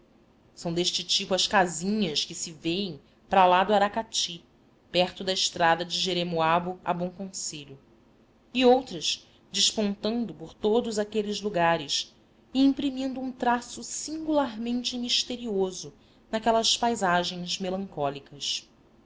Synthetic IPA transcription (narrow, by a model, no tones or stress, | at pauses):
sɐ̃w̃d̪eʃt͡ʃɪt͡ʃipʊɐʃkazĩɲɐskɪsɪvejẽj̃ | pɾalad̪ʊaɾakat͡ʃi | pɛχt̪ʊd̪ɐɪʃt̪ɾad̪ɐd͡ʒɪʒeɾemoabʊa̰bõw̃kõseʎʊ | iowt̪ɾɐʃ | d͡ʒɪʃpõnt̪ɐ̃nd̪ʊpoɾt̪od̪ʊzakelɪzluɡaɾɪs | iĩmpɾimĩnd̪ʊũt̪ɾasʊsĩŋɡulaɾmẽnt͡ʃɪmiʃt̪eɾiozʊ | nɐkɛlɐspajzaʒẽj̃zmelɐ̃ŋkɔlikɐs